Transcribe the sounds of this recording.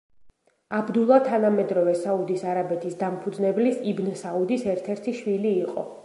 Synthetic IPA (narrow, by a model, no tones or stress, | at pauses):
abd̪ulˠat̪ʰanamɛd̪ɾɔvɛsaud̪isaɾabɛt̪ʰisd̪ampʰud̪znɛblisibnɛsaud̪isɛɾt̪ʰɛɾt̪ʰiʃwiliːqʼɔ̰